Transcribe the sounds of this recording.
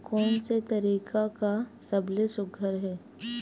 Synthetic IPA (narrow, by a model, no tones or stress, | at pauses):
kɔːnset̪ɐɾiːkakasɐblesʊɡʱəɾɦɛː